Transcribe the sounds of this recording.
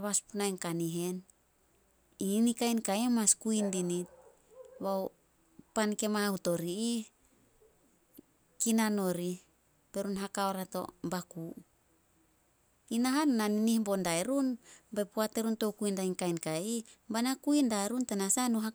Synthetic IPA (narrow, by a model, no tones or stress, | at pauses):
aβaspunajnkaniɦe̞n | iinikajnkaemaskuindinit̚ | βaw | panke̞mauto̞ɾii | kinano̞ɾi | pe̞ɾunɦakaoɾato̞̰mbaku | inaɦanːaninihbo̞ndaeɾunbajpuate̞ɾunto̞kuindajnkajnkaibanakuindaeɾuntanasanuɦa